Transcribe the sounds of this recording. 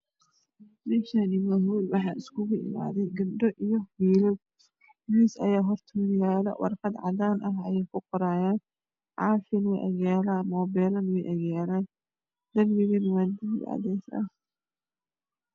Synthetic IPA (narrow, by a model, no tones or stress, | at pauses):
bɛʃanɪmɐɦuːlwɑħɑːʔɪskʰʊɣʊʔɪ̰ma̰ːðɛjɡɐbɖɔʔijɔhiːlɛw | wiːsɐ̰jaːɦɔrt̪ʰɔjaːlɐ̰wʔɑ̰rqɑd̪ʕɑ̰ðaːnʔɐɦɐjɛjkʰʊqɔɾaːjaːn | ʕɑ̰ːfɪnwɛjʔɐ̰ɣaːlaːmɔːbɛːlɐnwɛjʔɐɣaːlaːn | d̪ɐrmɪɣɐnwaːd̪ɪɪd̪ʕɑ̰ðɛːsɐ̰h